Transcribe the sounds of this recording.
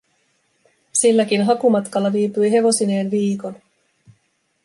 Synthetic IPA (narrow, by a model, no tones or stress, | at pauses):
silːæk̟inɦɑkumɑt̪kɑlːɑʋiːpyjɦe̞ʋo̞sine̞ːnʋiːko̞n